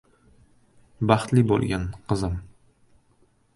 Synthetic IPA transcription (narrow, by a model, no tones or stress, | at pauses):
bɑχt̪lɪbo̰lˠɡʲanqɨzɪm